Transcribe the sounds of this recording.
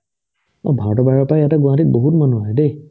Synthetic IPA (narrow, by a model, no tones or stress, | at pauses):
ɔ̰bʱaɹtɔbaɹɔpajjatɛɡũãtit̚boɦutmanuɦajɛde